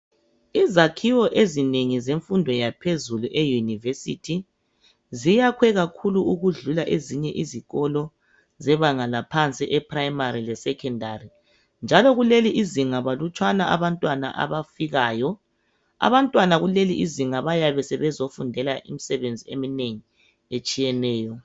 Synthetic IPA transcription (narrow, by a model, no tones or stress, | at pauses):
izakʰiwɔʔezineŋizeɱfundʱɔjapʰezuluʔɛjunivesitʰi | zijakʰwɛɣakʰuluuɣuɮulaʔeziɲɛʔiziɣɔlɔ | zɛβaŋalapʰant͡sʼiʔɛpʰʼraimaɾilɛsɛkʰɛndʱari | nd͡ʒʱalɔɣuleliʔiziŋaβalut͡ʃʼwanaʔaβantʼwana̰ʔa̰βafiɣaːjɔ | a̰βantʼwanaɣuleliʔiziŋaβajaβɛsɛβɛzofundʱɛlaʔḭmisɛβend͡zʱiemineŋi | et͡ʃʼijɛnɛːjɔ